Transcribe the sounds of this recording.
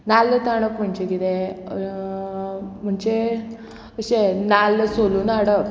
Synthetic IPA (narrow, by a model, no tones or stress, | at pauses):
nalːət̪aɽ̃əkm̤əɳd͡ʑekit̪e | m̤əɳt͡ɕe | əɕenalːəsolunaɽək̚